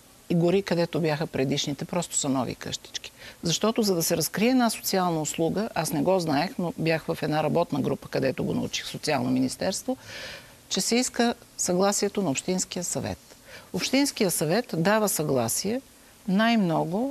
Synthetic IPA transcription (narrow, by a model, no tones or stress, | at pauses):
iɡʊɾikɐd̪ɛt̪objaxəpɾɛd̪iʃnit̪ɛpɾɔst̪ʊ̥sɐnɔvḭkɤ̰ʃt̪i̥t͡ʃki̥zɐʃt̪ɔt̪ʊzɐd̪ɐsɛɾɐskɾiɛːd̪naso̥t̪sialˠnɐʊslˠuɡəʔasnɛɡɔznaɛxnobjaxvɐfɛd̪naɾɐbɔt̪nəɡɾupə̥kɐd̪ɛt̪oɡo̰nɐ̰ṵt͡ʃi̥xsot̪sialˠnominist̪ɛɾst̪vo | t͡ʃɛsɛiskəsɐɡlˠasiɛt̪onɐopʃt̪insk̟ijəsɐvɛ̰t̪opʃt̪insk̟ijəsɐvɛt̪d̪avəsɐɡlˠa̰siɛ | najmnɔɡʊ